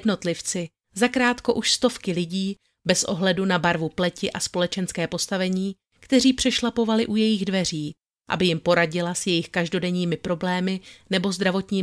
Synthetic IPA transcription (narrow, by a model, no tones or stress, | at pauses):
dno̞t̪lɪft͡sɪ | zakɾaːt̪ko̞ʔuʃst̪o̞fkɪlɪɟiː | bɛsʔo̞̰ɦlɛdunabaɾvuplɛcɪʔaspo̞lɛt͡ʃɛnskɛːpo̞st̪avɛɲiː | kt̪ɛriːpr̥ɛʃlapo̞valɪʔujɛjɪɣdvɛr̝iː | ʔa̰bɪjɪmpo̞ɾaɟɪlasjɛjɪxkaʒdo̞dɛɲiːmɪpɾo̞blɛːmɪnɛbo̞zd̪ɾavo̞t̪ɲiː